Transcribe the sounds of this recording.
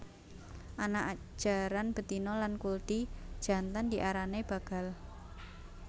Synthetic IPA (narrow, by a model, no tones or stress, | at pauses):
ʔanaʔḁ | ʒ̥a̤ɾanb̥ə̤t̪inɔlankuld̪̥id̥ʒ̥a̤nt̪andiʔaɾaneb̥a̤ɡ̥a̤l